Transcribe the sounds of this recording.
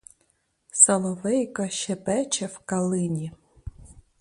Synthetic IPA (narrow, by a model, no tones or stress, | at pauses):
sɐlˠɔʋɛjkɐʃɛpɛt͡ʃɛwkɐlˠɪnʲi